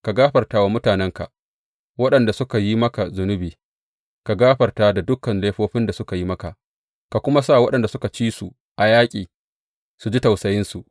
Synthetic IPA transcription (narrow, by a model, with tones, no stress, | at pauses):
ka˨ɡaː˦ɸɐ˨rtaː˦wa˦mʊ˦taː˨nɛ˦ŋka̰˨ʔ | wɐ˦ɗɐ˨nda˨sʊ˦ka˨ji˦mɐ˦ka˨zʊ˨nʊ˦biː˨ | ka˨ɡaː˦ɸɐ˨rtaː˦da˨dʊ˦kːɐ˨nleː˦ɸoː˦ɸɪ˦nda˨sʊ˦ka˨ji˦mɐ˦ka˨ʔ | ka˨kʷʊ˦ma˦sa˦˨wɐ˦ɗɐ˨nda˨sʊ˦ka˨t͡ʃiː˦su˨ | ʔa˨jaː˦kʲʼiː˨ | su˨d͡ʒi˦ta˨wsɐ˨jɪ˦nsu˨ʔ